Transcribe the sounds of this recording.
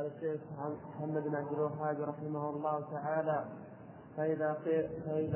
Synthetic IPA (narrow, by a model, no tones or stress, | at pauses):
ɑlaʃːeːxmħamːad̪nʕab̚d̪əlwaħaːbiɾˤɑħɪmahʊlˤːɑːht̪aʕaːla | faʔɪðaqːfaʔɪð